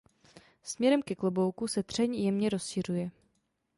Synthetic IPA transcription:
smɲɛɾɛmkɛklobo̞wkusɛd̪r̝̥ɛɲjɛmɲɛɾo̞sʃirujɛ

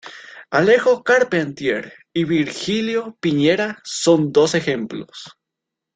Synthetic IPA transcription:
alexokaɾpent̪je̞ɾ | iβiɾxiljopiɲeɾaso̞nd̪o̞sexemplo̰s

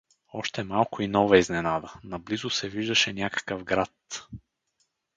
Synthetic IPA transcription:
ɔʃt̪ɛmalˠkʊinɔvɐiznɛnad̪ənɐblizʊsɛviʒd̪əʃɛnʲakə̥kəvɡɾat̪

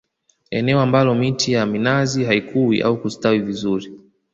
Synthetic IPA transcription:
ɛnɛɔambalɔmitijaminaziɦaikʰuwḭʔa̰ukustawivizuɾi

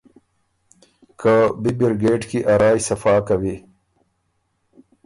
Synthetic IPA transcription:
kəbibɪɾɡeːʈkiʔaɾaːjsɐfɑːkawi

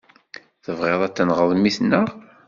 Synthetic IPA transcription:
θəvʁeðˤæt͡sːənʁəðˤmiθnːəʁ

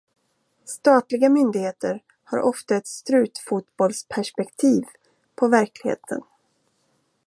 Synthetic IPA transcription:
st̪ɑːt̪lɪɡamʏnd̪ɪɡheːt̪əɾ | ha̰ɾʔɔft̪aɛt̪st̪ɾʉ̟ːt̪fut̪bɔlspʰæʂpɛkt̪ʰiːv | pʰɔvæɾklɪɡhḛːt̪ʰə̰n

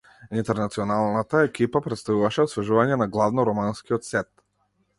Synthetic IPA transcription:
int̪ɛɾnat̪siɔnalˠnat̪aɛkipapɾɛt̪st̪avuvaʃɛɔsvɛʒuvaɲɛnaɡlˠavnɔɾɔmanskiɔt̪sɛt̪

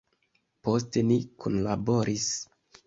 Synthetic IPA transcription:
po̞ste̞nikʰunlabo̞ɾis

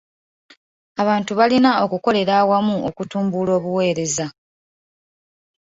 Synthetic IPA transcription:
aβaːntuβalinao̞kuko̞le̞ɾaːwamuʔo̞kutuːmbulo̞ːβuwe̞ːɾe̞za

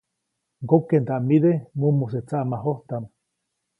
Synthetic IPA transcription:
ɡokːent̪aʔmiðemumos̬et͡saʔmaɦoht̪am

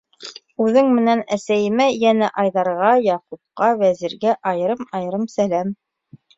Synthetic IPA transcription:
ʉðɘŋmɘ̆nænæsæjɘ̆mæjænæʔɑjðɑɾʁɑjɑqup̚qɑwæziɾɡæʔɑjɤ̆ɾɤmɑjɤ̆ɾɤmsælæm

